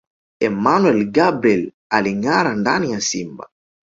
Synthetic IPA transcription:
ɛmanuɛlɡabɾiɛl | aliŋaɾandanijasimba̰

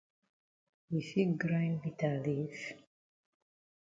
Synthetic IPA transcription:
wifiɡɾajnbit̪alif

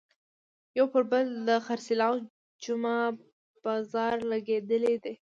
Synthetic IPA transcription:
jawpəɾbəld̪əxaɾsɪlɑw | d͡ʒuma | b̥ɑzɑɾlaɡed̪əled̪e

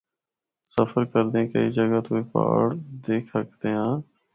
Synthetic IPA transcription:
səfʰəɾkəɾd̪ẽːkə̰iːd͡ʒəɡaːt̪oːeːpa̰ːɽd̪eːkʰək̚d̪eːɦãː

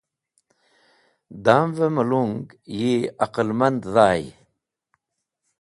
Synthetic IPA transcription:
d̪aːmveməluŋɡjiaqəlmand̪ðaːj

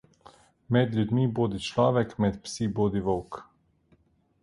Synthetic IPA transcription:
mɛd̪lʲjud̪miboːd̪it͡ʃlɔːʋɛkmɛt̪psiboːd̪iʋɔwk

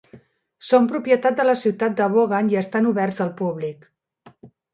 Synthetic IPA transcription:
sompɾupjət̪at̪̚d̪ələsiwt̪at̪̚d̪əβoɣaniəst̪anuβɛrzəlˠpuβlik

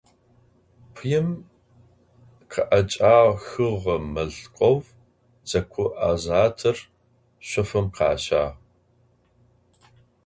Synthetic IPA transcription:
pʷʰjɛm | qʰɐʔɐt͡ʃʼaːʁxɨʁɐmɐɮqʷʼɔv | d͡zɐkʷʰʊʔaːzaːtʰɐr | ɕʷɔfɨmqɑ̰ːɕaːʁ

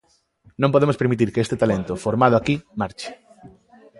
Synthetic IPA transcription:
nõmpoðemospeɾmit̪̬iɾkeest̪et̪alent̪ʊfoɾmað̞ʊakimaɾt͡ʃɪ̥

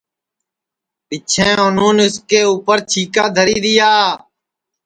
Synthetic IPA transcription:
pɪt͡ʃʰẽːon̤ũːnɪskeːuːpəɾt͡ʃʰiːkaːd̪ʱəɾiːɾɪjaː

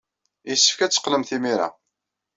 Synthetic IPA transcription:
isːə̥fkæt͡sːə̥qləmθimiɾa̰

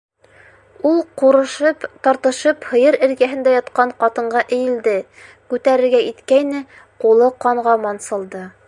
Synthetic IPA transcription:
ulˠquɾɤ̆ʃɤpt̪ɒɾt̪ɤ̆ʃɤphɤ̆jɤɾɘ̆ɾɡæɦɘ̆nd̪æjɑt̪qɑɴqɑt̪ɤ̆ɴɢɑʔɘ̆jɘ̆ld̪ɘ | kʉt̪æɾɘ̆ɾɡæit̪kæjnɘ | qulˠɤqɑɴʁɑmɑnsɤ̆lˠd̪ɤ

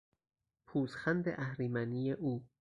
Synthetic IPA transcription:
pʰuːsxænd̪ḛʔæhɾimænijeʔuː

